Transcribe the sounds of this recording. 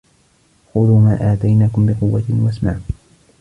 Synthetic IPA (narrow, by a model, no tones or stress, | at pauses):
xʊðuːmaːʔaːt̪ajnaːkʊmbɪqʊwːat̪ɪwasmaːm